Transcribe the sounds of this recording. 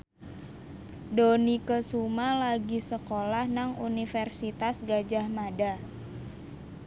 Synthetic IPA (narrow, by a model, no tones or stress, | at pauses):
donikəsumalaɡisəkolahnaŋunifɛrsit̪asɡad͡ʒahmada